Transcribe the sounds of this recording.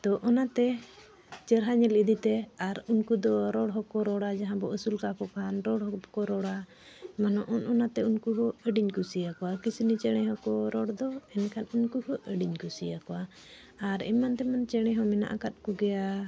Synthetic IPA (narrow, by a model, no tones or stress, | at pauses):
t̪ɔʔɔnat̪ɛ | t͡ʃɛɾɦaɲɛlid̪it̪ɛaɾunkud̪ɔɾɔɽɦɔkɔɾɔɽad͡ʒaɦãbɔʔəsulkakɔkʰanɾɔɽɦɔkɔɾɔɽa | manɔʔɔnɔnat̪ɛunkuɦɔəɖiɲkusijakɔwakisinit͡ʃɛɽ̃ɛɦɔkɔɾɔɽd̪ɔɛnkʰanunkuhɔʔəɖiɲkusijakɔwa | aɾḭmant̪ɛmant͡ʃɛɽ̃ɛɦɔmɛna̰ʔakat̪̚kɔɡɛja